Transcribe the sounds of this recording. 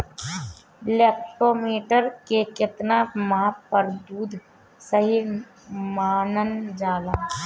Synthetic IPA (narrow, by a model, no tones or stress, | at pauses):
leːk̚ʈoːmiːʈəɾkekɪt̪namapəɾd̪uːd̪ʱ | səɦi | maːnənd͡ʒaːlaː